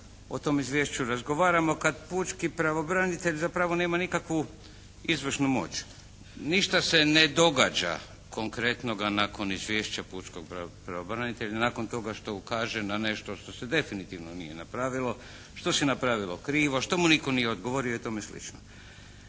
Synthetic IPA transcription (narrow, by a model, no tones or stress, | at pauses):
o̞t̪o̞mizʋjeːʃt͡ɕuɾazɡo̞ʋaːɾamo̞kad̪put͡ʃkipɾaʋobɾanit̪e̞ʎzapɾaʋo̞ne̞ːmanikakʋu | izʋr̩ʃnumo̞̰t͡ɕ | niʃt̪ase̞ne̞d̪o̞ɡa̰ːd͡ʒa̰ | kʰo̞ŋkɾe̞t̪no̞ɡanako̞nizʋje̞ːʃt͡ɕapuːt͡ʃko̞ɡ̚pɾapɾaʋobɾanit̪e̞ʎanaːko̞nt̪o̞ɡaʃt̪o̞kaːʒenane̞ʃt̪o̞ʃt̪o̞sed̪e̞finit̪iʋnonḭjenapɾaːʋilˠo̞ | ʃt̪o̞sinapɾaʋilo̞̰kɾiːʋoʃt̪o̞muniko̞nijeod̪ɡo̞ʋo̞ɾioit̪o̞meslḭt͡ʃno